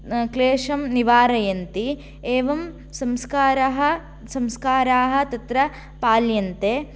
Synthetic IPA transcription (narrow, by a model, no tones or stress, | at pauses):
kleːʂɐmniʋaːɾɐjɐnt̪i | eːʋɐm | sɐmskaːɾɐɦɐ̆ | sɐmskaːɾaːɦɐ̆t̪ɐt̪ɾɐ | paːljɐnt̪eː